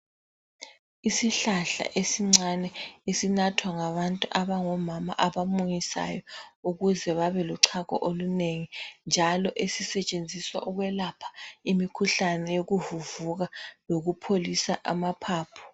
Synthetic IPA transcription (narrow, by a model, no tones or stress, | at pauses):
isiɬaɬa̰ʔesiŋ͡ǀanɛesinatʰwaŋaβantʼuʔaβaŋɔmama̰ʔaβamuŋisa̰jɔuɣuzɛβaβɛluǀʰaɣɔ̰ʔoluneŋind͡ʒʱalɔʔesisɛt͡ʃʼend͡zʱiswa̰ʔuɣwɛlapʰḁimikʰuɬanɛjoɣuvuvuɣaloɣupʰolisaʔamapʰaːpʰɔ̥